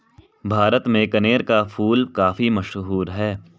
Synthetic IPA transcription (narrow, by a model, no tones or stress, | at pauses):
bʱaːɾət̪mẽkɐneːɾkafʰuːlkaːfimɐʃɦuːɾɦɛː